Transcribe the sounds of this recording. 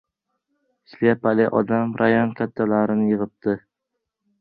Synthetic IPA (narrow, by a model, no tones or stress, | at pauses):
slajapʰalɪʔɒd̪amɾʔajɒnkʲʰat̪ʰːalaɾɪnɪjɨʁɨp̚t̪ʰɪ